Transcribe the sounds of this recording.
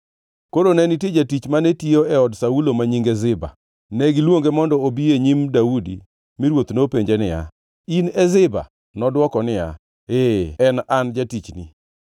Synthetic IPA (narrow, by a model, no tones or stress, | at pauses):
koɾonɛnited͡ʒatit͡ʃmanɛtioɛɔdsaulomaɲiŋɡɛzɪba̰ | nɛɡɪlwoŋɡemɔndɔobieɲimdaudḭ | miɾwot̪nopeɲd͡ʒenɪja̰ | inɛzɪba̰ | nɔdwɔkɔnɪja̰ | eɛnand͡ʒatit͡ʃni